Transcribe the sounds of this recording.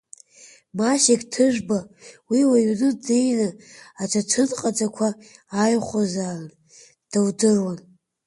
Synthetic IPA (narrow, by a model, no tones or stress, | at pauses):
maʃeɡtʰɨʒbawiwaɥnɨdejnaat͡ʃʷʰat͡ʃʰɨnqʼad͡zakʷʰaːjχʷozalan | d̥awdɨrwan